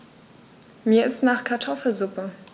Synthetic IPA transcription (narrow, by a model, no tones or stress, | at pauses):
miːɐɪstnaːχkʰaɐtʰɔfl̩zʊpə